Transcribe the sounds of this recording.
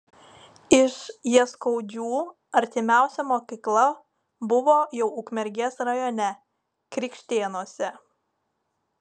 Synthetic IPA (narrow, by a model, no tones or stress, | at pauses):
ɪʃjiɛskɔʊd͡ʒʲuː | ɐɾʲt̪ʲɪmʲæˑʊsʲɛmoːkʲiklˠɐ | bʊʋoːjɛʊʊkmʲɛɾʲɡʲeːsɾɐjɔːnʲɛ | kɾʲɪkʃʲt̪ʲeːnuɔsʲɛ